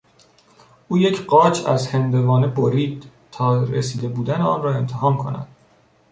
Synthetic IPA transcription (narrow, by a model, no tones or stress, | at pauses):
ʔuːje̞cʰɢɒːt͡ʃʰæ̰zhend̪e̞vɒːneboɾiːd̪̥ | t̪ʰɒːɾḛsiːd̪e̞buːd̪æneɒːnrɒːe̞mt̪ʰehɒːmkʰo̞̰næ̰d̪̥